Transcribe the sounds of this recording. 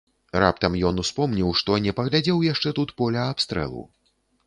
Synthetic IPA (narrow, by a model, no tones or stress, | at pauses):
ra̰pt̪ɐmjɔnuspɔmnʲiwʂt̪ɔnʲɛpɐɣlʲad͡zʲɛwjaʂt͡ʂɛt̪ut̪pɔlʲɐapst̪ɾɛ̰lˠṵ